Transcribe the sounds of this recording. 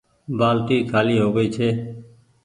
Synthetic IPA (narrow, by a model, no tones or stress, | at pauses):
baːlʈ̪iːkʰaːliːɦoːɡəiːt͡ʃʰeː